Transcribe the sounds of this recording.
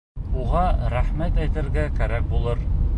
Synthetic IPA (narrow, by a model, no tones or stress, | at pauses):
uʁɑɾæχmæt̪æjt̪ɘ̆ɾɡækæɾæk̚bulˠɤɾ